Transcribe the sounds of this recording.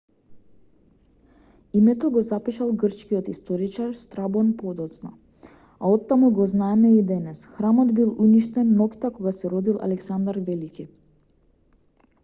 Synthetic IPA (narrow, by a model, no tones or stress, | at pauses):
imɛt̪ɔɡɔzapiʃalˠɡrt͡ʃkiɔt̪ist̪ɔɾit͡ʃaɾst̪ɾabɔnpɔd̪ɔt̪sna̰ | aɔt̪ːamuɡɔznaɛmɛid̪ɛnɛsxɾamɔd̪bilˠuniʃt̪ɛnnɔkt̪akɔɡasɛɾɔd̪ilˠʔa̰lɛksand̪aɾvɛlicʲi